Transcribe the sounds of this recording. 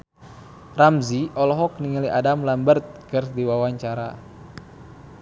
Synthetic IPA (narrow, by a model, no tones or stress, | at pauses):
ramziʔɔlɔɦɔk̚niŋəliʔadamlambərt̪̚kərdiwawaɲt͡ʃaɾa̰